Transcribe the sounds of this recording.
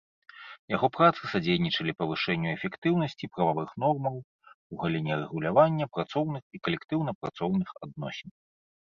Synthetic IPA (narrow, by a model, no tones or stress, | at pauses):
jaɣɔpɾat̪sɨsad͡zʲejnʲit͡ʂɐlʲipɐvɨʂɛnʲːuɛfʲɛkt̪ɨwnɐsʲt͡sʲipɾɐvavɨxnɔrmɐw | uɣalʲinʲɛrɛɣulʲavanʲːɐpɾat̪sɔwnɨxikɐlʲɛkt̪ɨwnɐpɾa̰t̪sɔwnɨxa̰d̪̚nɔ̰sʲɛn